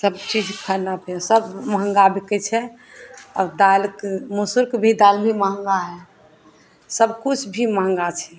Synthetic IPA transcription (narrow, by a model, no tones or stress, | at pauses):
səbt͡ʃid͡ʒkʰəɾnabʰesəbməɦə̃ŋɡabʱikət͡ʃʰɛ | ɔ̰ɾd̪alkmosuɾkbʱid̪albʱiməɦə̃ŋɡaɦɛ | səb̚kut͡ʃʰbʱiməɦə̃ŋɡat͡ʃʰɛ